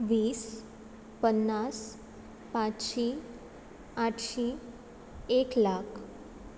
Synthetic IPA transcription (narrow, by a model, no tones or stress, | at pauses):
ʋiːs | pənːas | pãt͡sɕi | aʈɕi | eklakʰ